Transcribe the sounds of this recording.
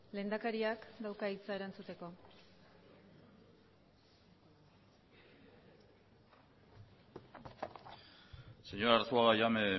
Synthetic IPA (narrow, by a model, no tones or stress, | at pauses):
le̞ːnd̪akaɾiakd̪awkait͡sae̞ɾant͡sut̪e̞ko̞ | seɲoɾaɾst͡suaɣajame